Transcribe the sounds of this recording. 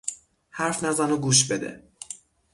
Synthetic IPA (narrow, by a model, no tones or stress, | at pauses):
hæɾfnæzænoɡuːʃbe̞d̪ḛ